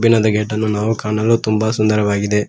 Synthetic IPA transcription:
binɐd̪ɐɡeːʈːɐnːunaːʋukaːɳɐlːut̪umbɐsund̪ɐɾɐʋaːɡid̪e̞

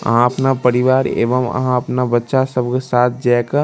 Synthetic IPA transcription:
ə̰ɦãəpnapəɾiʋaːɾḛːʋəmə̰ɦãəpnabətːʃasəbkesaːt̪̚ʰd͡ʒakə

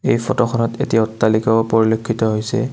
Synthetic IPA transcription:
ejpʰɔtɔxɔnɔtetiɔtːalikapoɹilokʰːitɔɦojsɛ̰

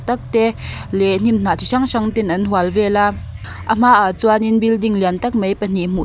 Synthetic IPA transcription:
t̪ɐk̚t̪ɛlɛn̥imn̥at̪ʰiʂaŋʂaŋt̪inʔɐnɦualvɛla | ʔəm̥aʔat͡suaninbildiŋliant̪ɐk̚mejpən̥im̥u

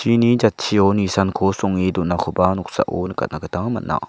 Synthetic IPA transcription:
t͡ɕʰinid͡ʒat̪̚t͡ɕʰionisankʰosɔŋed̪uʔnakʰopanuk̚sa̰ʔo̰nəka̰t̪̚nakət̪aŋma̰nnːʔa̰

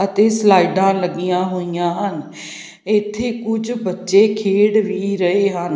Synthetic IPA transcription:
ət̪eːslaːiɖãːləɡijãːɦoːijãːɦən | ɪt̪ʰːeːkʊd͡ʒbətːʃeːkʰeːɽʋiːɾəeːɦən

